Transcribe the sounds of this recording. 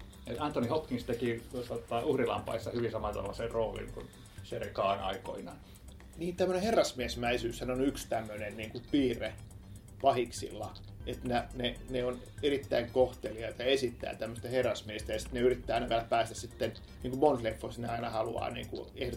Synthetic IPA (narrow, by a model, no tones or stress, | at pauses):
et̪ɑnt̪ːonihokkiŋst̪ekiosɑt̪ːɑːuhrilɑ̰mpɑ̰isːɑhyʋinsɑmɑt̪o̰mːɑserroːlḭŋkṵn | serkɑːnɑ̰iko̰inɑn | niːnt̪æmːøneherːɑsmiesmæisyːshænonykst̪æmːønenniːŋkupiːre | pɑhiksḭlːɑ̰ | et̪næneneon | erit̪ːæiŋkoht̪eliɑit̪ɑesit̪ːæ̰ːt̪æmːøst̪æherːɑsmiest̪æjɑsi̥t̪neyrit̪ːæːɑinɑʋelæpæːst̪æssit̪ːen | niːŋkummonslefːosneɑinɑhɑlṵɑ̰ːnḭːŋkṵeho